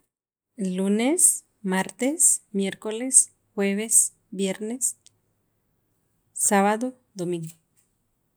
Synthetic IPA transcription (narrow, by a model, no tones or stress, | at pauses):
lunes | maɾt̪esmjeɾkoles | xweβes | bjeɾnes | aβaðo | d̪omĩŋɡo